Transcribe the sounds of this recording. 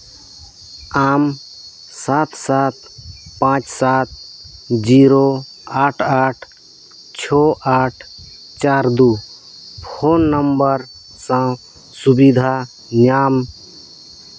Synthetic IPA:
am | sat̪ʰsat̪̚ | pãt͡ʃsat̪̚d͡ʒiɾo | aʈʰaʈʰ | t͡ʃʰɔʔaʈʰ | t͡ʃaɾd̪u | pʰoːnːəmbəɾ | sã | subid̪ʱa | njam

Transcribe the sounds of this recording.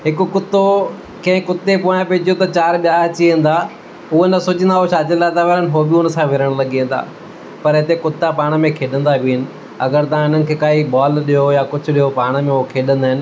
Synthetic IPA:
ɦɪkʊkʊt̪o | kɐ̃ɦɪ̃kʊt̪ːepoːj̃ãpeːd͡ʑʱijot̪ɐt͡ɕaːɾɓjaːɐt͡ɕiẽːn̆d̪aː | ʊonɐsʊd͡ʑə̃nd̪aɦoʃaːd͡ʑəlaːt̪aʋeɾənɦobɪʊnə̆sãʋɪɾəɽ̃lɐɡiə̃ːn̆d̪a̰ː | pɐɾɦɪt̪ekʊt̪ːapaːɽ̃ə̆mẽkʰeːɗə̃nd̪abʱiɪnɪ̆ | ɐ̰ɡəɾt̪ɐʋ̤ãɪn̤ənɪkʰeːkaːibɔːlɗijojaːkʊd͡ʑʱʊ̆ɗijopaːɽ̃mẽokʰeːɗə̃nd̪aːɦɪnɪ̆

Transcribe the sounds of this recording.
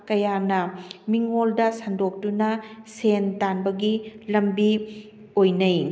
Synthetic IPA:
kɐjanɐmiŋoldɐsɐndok̚dunɐsentanbɐɡilɐmbi | ojnɐj

